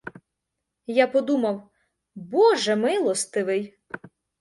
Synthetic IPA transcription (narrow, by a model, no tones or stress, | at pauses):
japɔd̪umɐw | bɔʒɛmɪlˠɔst̪ɪʋɪj